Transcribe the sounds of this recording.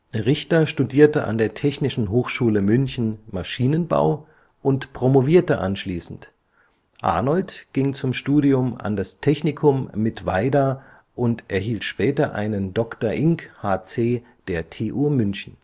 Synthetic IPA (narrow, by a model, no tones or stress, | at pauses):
ʁɪçtɐʃtudiːɐtəʔa̰ndeːɐtʰɛçnɪʃn̩ɦoːxʃuːləmʏnçn̩maʃiːnənba̰ʊ | ʔʊntpʁ̥omoviːɐtəʔa̰nʃliːsn̩t | ʔa̰ɐnɔltɡ̥ɪŋt͡sʊmʃtuːdiʊma̰ndastʰɛçnɪkʰʊmːɪtv̥a̰ɪdɐ | ʔʊntʔɛɐɦiːltʃpɛːtɐʔa̰ɪnəndɔktɐɐʔɪŋkhaːt͡seː | d̥eːɐtʰeːʔuːmʏnçn̩